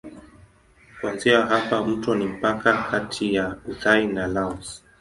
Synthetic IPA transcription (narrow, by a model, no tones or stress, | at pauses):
kuanziaɦapam̩tɔnim̩pakakʰatʰijauðainalaɔs